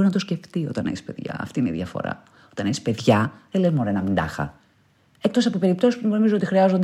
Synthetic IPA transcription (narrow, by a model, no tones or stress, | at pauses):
ɾinɐt̪osce̞ft̪io̞̰t̪ɐneçspeðʝɐ̰ɐ̰ft̪ineḭðʝɐfo̞̰ɾɐ̰ | o̞t̪ɐneçispe̞ðʝɐðelezmoɾenɐmind̪ɐ̰xɐ̰ | ekt̪o̞sɐpope̞ɾip̚t̪o̞sispuɣno̞mizuoot̪ixɾiɐzond̪